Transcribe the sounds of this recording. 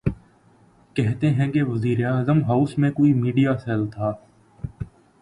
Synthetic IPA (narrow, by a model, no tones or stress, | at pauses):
kɛɦt̪ẽɦɛ̃keʋəziːɾeaːzəmɦaʊsmẽkoːiːmiːɖijaːsɛlt̪ʰaː